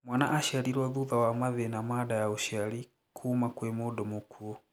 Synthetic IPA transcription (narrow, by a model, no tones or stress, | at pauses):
mwanaʔaʃaliɾwaðuðawamaðɛnamaɗajauʃali | kʰuːmakwɛmɔɗɔmɔkʰuɔ